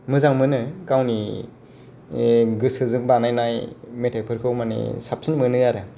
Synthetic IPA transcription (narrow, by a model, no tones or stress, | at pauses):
mɯzaŋmɯnɯkawni | ɡɯsɯzɯŋbanajnajmetʰepʰɯɾkʰɯwmanḭsap̚sʰinmɯnɯjaɾɯ